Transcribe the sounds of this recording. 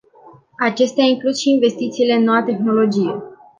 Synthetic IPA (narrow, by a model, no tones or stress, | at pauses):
at͡ʃe̞st̪eaiŋklusʃiːnve̞st̪it̪siːle̞ɨnːo̞wat̪e̞xno̞lo̞d͡ʒije̞